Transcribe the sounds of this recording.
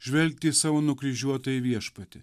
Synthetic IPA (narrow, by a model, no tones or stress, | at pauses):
ʒʲʋʲɛlʲk̚t̪ʲiːsɑːʋoːnʊkɾʲɪʒʲuɔt̪ɐjɪʋʲiɛʃpɐtt̪ʲɪ